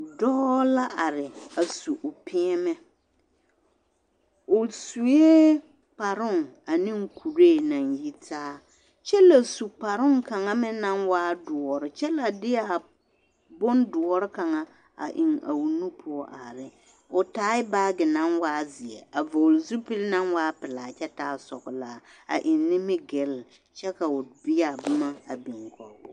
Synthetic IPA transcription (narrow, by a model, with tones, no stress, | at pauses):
dɔː˦la˦ʔa˨ɾɪ˨a˨su˨ʔʊ˨pʰɪ˦ɛ˦mɛ˦ | ʊ˨su˨je˦ | pa˨ɾʊ˦˨ŋ | a˨nɪ˦ŋ˦kʰu˨ɾe˦˨na˨nji˦tʰaː˦ | t͡ʃɛ˦la˨su˨pa˨ɾʊ˦ŋka˨ŋa˦mɪ˦na˦nwaː˦dʊ˨ɔ˨ɾɪ˨t͡ʃɛ˦la˨dɪ˦a˨ | bʊ˦n˦dʊ˨ɔ˦ɾɪ˦ka˨ŋa˦ | a̰˨ʔɪ˨ŋa̰˨wu˨nu˦pʰʊ˦ɔ˦ʔa̰˨ɾɪ˦ | ʊ˨taː˨˦ɪ˦baː˦ɡɪ˨na˦nwaː˦zɪ˨ɛ˨a˨vo˨lzu˦pɪ˦lna˦nwaː˦pɪ˨la˨t͡ʃɛ˦taː˦sɔ˨ɡʊ˨laː˨a̰˨ʔɪ˨nːɪ˦mɪ˦ɡɛ˨l | t͡ʃɛ˦ka˨ʊ˨bɪ˦a˨bʊ˦ma˦a˨bi˨ŋkɔ˨ʊ˦